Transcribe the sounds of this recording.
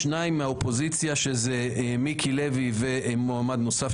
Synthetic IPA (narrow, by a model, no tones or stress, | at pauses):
naimaopo̞zit͡sjaʃeze | mikʰilevivemoamad̪no̞saf